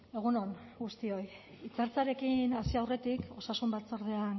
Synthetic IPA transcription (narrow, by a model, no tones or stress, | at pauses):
e̞ɣ̞uno̞nɡust̪io̞j | it͡saɾt͡saɾe̞kinasiawre̞t̪iko̞sasumbat͡so̞ɾðe̞an